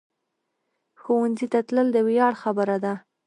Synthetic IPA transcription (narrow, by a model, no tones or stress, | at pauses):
xowanzit̪at̪ləld̪əwjɑɽxabəɾad̪a